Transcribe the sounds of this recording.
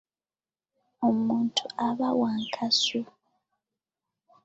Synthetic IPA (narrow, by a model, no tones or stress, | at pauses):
omuːntʰuaβawaːŋkʰasu